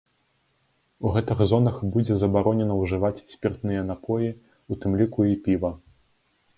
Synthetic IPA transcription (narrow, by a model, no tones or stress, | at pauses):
uɣɛt̪ɨɣzɔnɐxbud͡zʲɛzɐbaɾɔnʲɛnɐwʐɨvat͡sʲsʲpʲirt̪nɨjɐnapʰɔji | ut̪ɨmlʲikuipʲivɐ